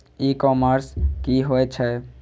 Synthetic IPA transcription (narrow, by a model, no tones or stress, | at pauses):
ikɔːməɾskiɦoɛt͡ʃʰɛ